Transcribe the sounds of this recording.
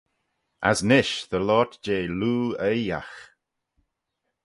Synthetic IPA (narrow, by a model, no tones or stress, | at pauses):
a̰snɪʃðəlɔːtd͡ʒeːluːəja̰x